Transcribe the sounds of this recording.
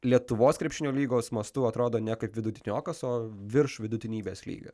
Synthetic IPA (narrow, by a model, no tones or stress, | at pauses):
lʲiɛt̪ʊʋoːskɾʲɛpʃʲɪnʲoːlʲiːɡoːsmɐst̪ʊɐt̪ɾoːd̪oːnʲɛkɐɪpʋʲɪd̪ʊt̪ʲɪnʲoːkɐsoːʋʲɪɾʃʋʲɪd̪ʊt̪ʲɪnʲiːbʲeːslʲḭːɡɐ̰